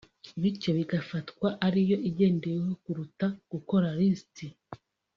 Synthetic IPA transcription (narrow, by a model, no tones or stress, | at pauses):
βicoβiɡafatkwaʔaɾijo̞ʔiɟe̞ːndejeɦo̞kuɾutaɡ̥uko̞ɾaɾisti